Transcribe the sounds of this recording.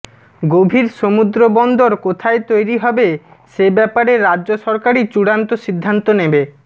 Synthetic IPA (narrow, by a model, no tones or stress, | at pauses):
ɡobʱiɾʃomud̪ɾobɔnd̪oɾkot̪ʰaet̪ojɾiɦɔbeʃebɛpaɾeɾadʑoʃɔɾkaɾit͡ɕuɽant̪oʃid̪ʱːant̪onebe